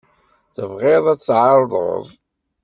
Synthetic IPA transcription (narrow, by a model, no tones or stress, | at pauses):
θəvʁɪðˤæt͡sːʕɑɾˤðˤə̰ðˤ